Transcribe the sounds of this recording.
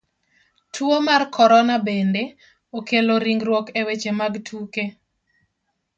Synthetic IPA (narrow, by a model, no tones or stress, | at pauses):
tʰwomarkʰɔɾɔnabende | okeloɾiŋɡɾwɔkewet͡ʃemaɡtʰuke